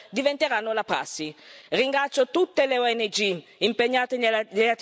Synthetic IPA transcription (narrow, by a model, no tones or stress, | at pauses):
d̪ivent̪eɾanːolapɾa̰sːiriŋɡɾat̪sːot̪ut̪ːeleoɛnːed͡ʒiimpeɲːaːt̪eeat̪